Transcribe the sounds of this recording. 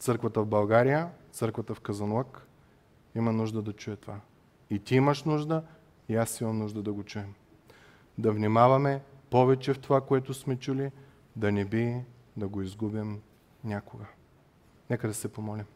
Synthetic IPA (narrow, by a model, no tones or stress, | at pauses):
t̪sɤɾkvət̪əvbɐlˠɡaɾijət̪sɤɾkvɐt̪əfkɐzɐnlˠak | imɐnuʒd̪əd̪ɐt͡ʃujɛt̪ova | it̪iimɐʃnuʒd̪ə | iasimɐmnuʒd̪əd̪ɐɡot͡ʃuɛm | d̪ɐvnʲimavɐmɛpɔvɛt͡ʃɛft̪ovakoɛt̪ʊsmɛt͡ʃuli | d̪ɐnɛbi | d̪ɐɡoizɡubim | nʲakoɡə | nɛkəd̪ɐsɛpomɔlʲim